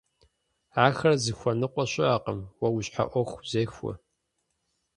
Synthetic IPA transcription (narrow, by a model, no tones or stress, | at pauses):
aːxɐrzɨxʷɐnɨqʷʼɔɕʼɪaːqəmwɐwuɕħa̰ʔʷɔxʷz̥eːxʷɔ̰